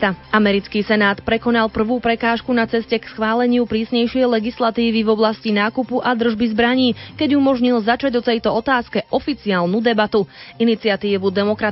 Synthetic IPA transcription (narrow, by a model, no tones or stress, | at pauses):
amɛɾit͡skiːsɛnaːt̪pɾɛkɔnalˠpr̩ʋuːpɾɛkaːʃkunat͡sɛscɛksxʋaːlɛɲɪupɾiːsɲɛjʃɪɛjlɛɡislat̪iːʋivɔblascinaːkupuʔad̪r̩ʒbizbɾaɲiːkɛɟumɔʒɲilzat͡ʃaɟɔt̪ɛjt̪ɔɔt̪aːskɛʔɔfit͡siaːlnud̪ɛbat̪uinit͡siat̪iːʋud̪ɛmɔkɾa